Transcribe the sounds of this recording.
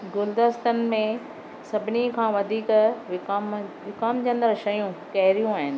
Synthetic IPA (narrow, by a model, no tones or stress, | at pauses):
ɡʊld̪əst̪ənɪ̆mẽ | sɐbʱɪnikʰãːʋɐd̪ʱiːkʋɪmʋɪkaːmd͡ʑɐ̃nd̪ɾɐʃɐjũkɛɦɪɾijũaːɦɪnɪ̆